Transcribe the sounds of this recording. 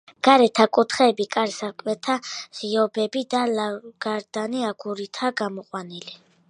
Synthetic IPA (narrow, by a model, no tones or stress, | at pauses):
ɡ̥aɾɛt̪ʰakʼut̪ʰχɛːbikʼaɾsakʼwɛt̪ʰaz̥iɔbɛbid̪alaɡ̥aɾd̪̥aniaɡuɾit̪ʰaɡamɔqʼwanili